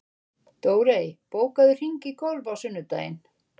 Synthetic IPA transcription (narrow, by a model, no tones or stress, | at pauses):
t̪oːwɾeːjpoːwkaðʏr̥iɲcɪkʰowlvawsʏnːʏt̪a̰ːjɪ̰n